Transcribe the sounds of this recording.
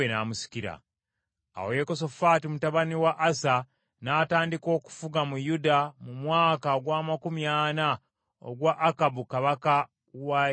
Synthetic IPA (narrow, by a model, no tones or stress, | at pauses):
ena̰ːmusi̥ciɾa̰ː | wojeko̞so̞faːtimutaβaniwaʔːsa | nataːndiko̞ːku̥fuɡamujudamumwaːkaoɡwaːmakumjaːna | o̰ɡwaʔːkabukaβaka | wa